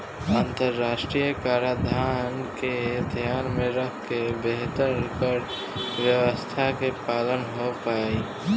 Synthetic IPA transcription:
aːnt̪əɾːaːʃʈɾijəkaːɾad̪ʱaːnked̪ʱjaːnmẽɾəkʰkebeɦt̪əɾkəɾ | ʋjəʋəst̪ʰakepaːlənɦopaːi

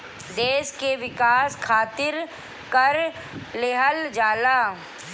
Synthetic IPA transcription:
d̪eːʃkeʋɪkaːskʰaːt̪ɪɾ | kɐɾ | leɦəld͡ʒaːlaː

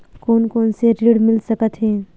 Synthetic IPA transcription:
koːnkoːnseɾiɽmɪlsəkət̪ɦɛː

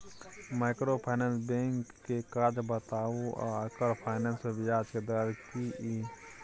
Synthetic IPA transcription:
makɾopʰaɪnensbẽŋkːekaːd͡ʒbət̪aːuɔ̰əkəɾpʰaɪnensebɪd͡ʒaːd͡ʒked̪aɾkii

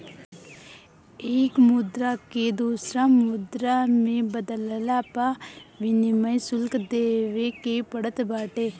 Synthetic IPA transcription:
eːkmʊd̪ɾaked̪uːsɾamʊd̪ɾamẽbəd̪əllaːpaʋɪniməjsʊlkd̪eːʋekepəɽət̪baːʈeː

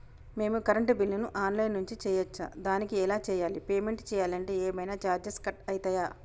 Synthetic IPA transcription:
me̞ːmukɐɾɐɳʈbilːinuʔaːnlɐjnːuɲt͡ʃit͡ʃɛːjɐt͡ʃːa̰ːd̪aːnikiɛlaːt͡ʃɛːjaːlipeːme̞ɳʈt͡ʃɛːjaːlɐɳʈe̞ːɛːmɐjnaːt͡ʃaːɾd͡ʒɐskɐʈɐjit̪ɐjaː

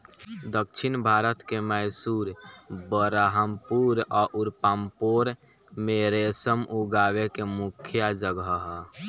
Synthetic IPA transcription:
d̪əkt͡ʃʰinbʱaːɾət̪keməɪsuɾbəɾaɦəmpuɾɔːʔuɾpaːmpoɾ | meɾesəmʔuɡaːwekemukʰjad͡ʒəɡəɦ

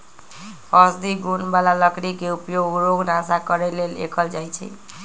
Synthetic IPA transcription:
əsd̪iɡunbalaləkɽikeupjoɡɾoɡnasakəɾelelḛkʰəld͡ʒajt͡ʃʰɛ̰

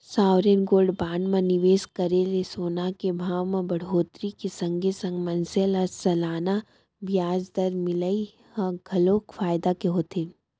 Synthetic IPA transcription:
saːʋɾenɡoːɖbaːɳmɐ̃nɪʋeːskɐɾelesoːnakebʱaːʋmẽbɐɽ̤oːt̪ɾikesɐ̃ŋɡʱesɐ̃ŋɡmɐnsəlasɐlaːna | bjaːd͡ʒd̪ɐɾmɪləi | hãɡʱɐloːkfaːjd̪akeɦoːt̪eː

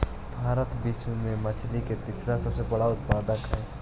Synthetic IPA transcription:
bʱaːɾət̪bɪʃwemẽmɐt͡ʃʰliket̪ɪsɾasɐbsebɐɽaʊt̪̚paːd̪əkɦɛː

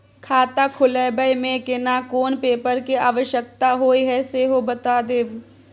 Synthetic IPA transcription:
kʰaːt̪akʰʊləbəjmẽkɪnakoːnpeːpəɾkiaːʋəʃjəkt̪aɦoːiɦɛseːɦobɐt̪aːd̪eːʋ

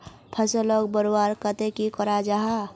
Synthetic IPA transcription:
pʰəsəlɔk̚bəɾowaɾkət̪ekikɔɾad͡ʒaɦa

